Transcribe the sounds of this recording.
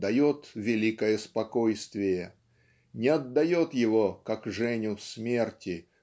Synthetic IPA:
d̪ɐjo̞t̪vʲɪlʲikəjəspɐkojst̪vʲɪjə | nʲɪɐd̪ːɐjo̞t̪jɪvo̞kakʐɛnʲʊsmʲe̞rtʲɪ

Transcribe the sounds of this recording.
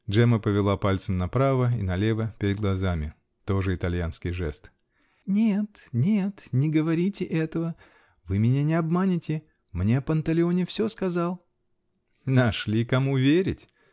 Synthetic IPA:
ʐɛməpəvʲɪlˠapalʲt̪səmnɐpɾavəḭnɐlʲe̞vəpʲɪɾʲɪd̪̚ɡlˠɐzamʲɪ | t̪o̞ʐɨɪt̪ɐlʲjanskʲɪjʐɛ̰st̪ | nʲet̪nʲet̪nʲɪɡəvɐɾʲitʲɪʔɛt̪əvə | vɨmʲɪnʲanʲɪɐbmanʲɪtʲɪ | mnʲepənt̪ɐlʲɪo̞nʲɪfsʲoskɐzalˠ | nɐʂlʲikɐmuvʲeɾʲɪtʲ

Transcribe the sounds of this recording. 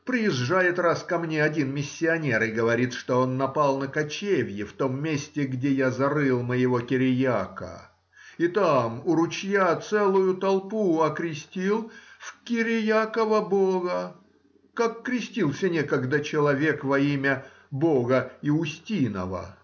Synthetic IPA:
pɾʲɪjɪʐʐajɪt̪raskɐmnʲeɐdʲinmʲɪsʲːɪɐnʲe̞ɾɪɡəvɐɾʲit̪ʂt̪o̞o̞nːɐpalˠnəkɐt͡ɕevʲjɪft̪o̞mːʲesʲtʲɪɡdʲejazɐɾɨlˠməjɪvokʲɪɾʲɪjakə̰ | it̪amʊɾʊt͡ɕjat̪sɛlˠʊjʊt̪ɐlˠpuɐkɾʲɪsʲtʲilˠfkʲɪɾʲɪjakəvəboɣə | kakːɾʲɪsʲtʲilˠsʲənʲekəɡd̪ət͡ɕɪlˠɐvʲekvɐimʲə | bo̞ɣəɪʊsʲtʲinə̰və̰

